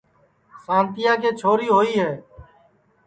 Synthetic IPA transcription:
sãːnt̪ɪjaːkeːt͡ʃʰoːɾiːɦoːiːɦɛː

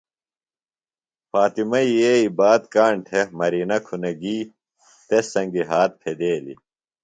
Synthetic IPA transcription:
faːt̪imɐijeːibaːd̪kaːɳʈʰemɐɾiːnɐkʰunɐɡiː | t̪esɐŋɡiɦaːt̪̚pʰed̪eːlḭ

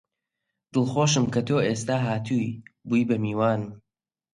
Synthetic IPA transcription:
d̪̥ɨlˠχoːʃɨmkɐt̪ʰoːʔeːs̬t̪aːɦaːt̪ʰuːjbujbɐmiːwaːnɨm

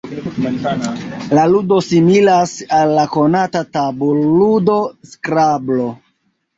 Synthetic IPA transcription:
laludo̞similasalːako̞natataboludo̞skɾablo̞

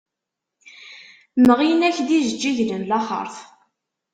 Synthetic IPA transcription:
nəʁinæçd̪izəd͡ʒːiʝlənlæχə̰ɾˤθ

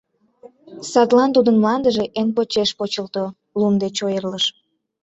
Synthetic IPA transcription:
sɑt̪lɑnt̪ud̪ənmlɑnd̪əʒeʔenpot͡ɕeʃpot͡ɕəlt̪o | lumd̪et͡ɕojərləʃ

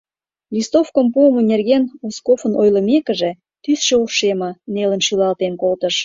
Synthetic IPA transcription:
lʲist̪ofkəmpuəmə̆nʲerɣenoskofə̆nojlə̆mekə̆ʒe | t̪ysʃeoʃemɑnelənʃylɑlt̪enkolt̪əʃ

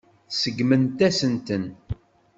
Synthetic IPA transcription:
səɡmənt̪æsənt̪ən

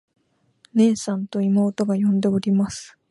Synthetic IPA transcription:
ne̞ːsãnt̪o̞imo̞ːt̪o̞ɡajõ̞nd̪e̞oɾʲimasɨ̥

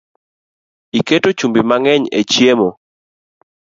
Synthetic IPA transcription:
iketot͡ʃumbimaŋɛɲḛt͡ʃjemo

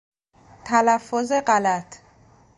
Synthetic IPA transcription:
t̪ʰalafozɛqalat̪ʰ

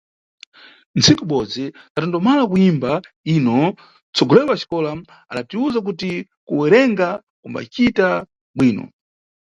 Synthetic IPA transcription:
nt͡sʰikuɓɔd͡ziatandɔmalakuimba | iːnɔ | t͡sɔɡɔlɛwat͡ʃi̥kɔlam | a̰ɗatiuzak̬uti | kuwɛɾɛŋɡa | kumba̰t͡ʃita | ɓwiːnɔ̰

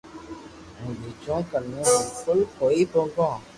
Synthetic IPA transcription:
ɦũːbiːd͡ʒõːkənẽːbɪlkʊlkoːiːbõːɡõː

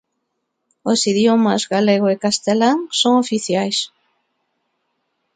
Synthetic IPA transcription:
osiðjomazɣaleɣ̞oekast̪elaŋsoŋofiθjajs

